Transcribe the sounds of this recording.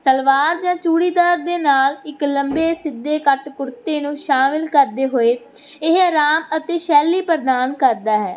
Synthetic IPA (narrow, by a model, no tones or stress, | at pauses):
səlʋaːɾd͡ʒãːt͡ʃuːɽiːd̪aːɾd̪eːnaːlɪkləmbeːsɪd̪ːeːkəʈpʊɾt̪eːnũːʃaːmɪlkəɾd̪eːɦoːeː | ɪɦəɾaːmət̪eːʃɛːliːpəɾd̪aːnkəɾd̪aːɦɛː